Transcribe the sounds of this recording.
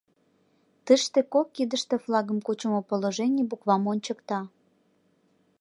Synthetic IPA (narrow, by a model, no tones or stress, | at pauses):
t̪əʃt̪ekokːid̪əʃt̪eflɑɣəmkut͡ɕəmopoloʒenʲebukvɑmonʲt͡ɕəkt̪ɑ